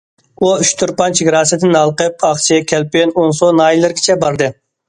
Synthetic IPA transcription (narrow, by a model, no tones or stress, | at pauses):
uyʃt̪ʰʊɾpɑnt͡ʃʰɪɡʲɾɑːsɪd̪ʰɪnɑlˠqəp̚ʰɑχt͡ʃʰɪkʲʰɛlpɪnonsonɑːjilˠɪɾɡʲɪt͡ʃʰɛbɑɾd̪ɨ